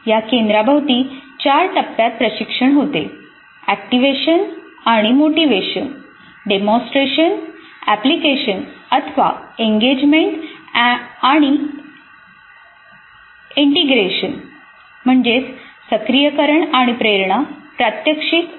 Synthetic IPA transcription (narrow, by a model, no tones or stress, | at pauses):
jakẽnd̪ɾabʱaʋt̪iːt͡ɕaɾʈ̪əpːjat̪̚pɾəɕikʂəɳɦot̪e | æk̚ʈiʋeɕən | aɽ̃imoʈiʋeɕən | ɖemɔ̃sʈɾeɕən | æplikeɕənət̪ʰəʋa̰eŋɡed͡ʑmeɳʈ | aɽ̃i | iɳʈiɡɾeɕən | m̤əɳd͡ʑesəkɾijəkəɾəɳaɽ̃ipɾeɾɳapɾat̪jəkʂik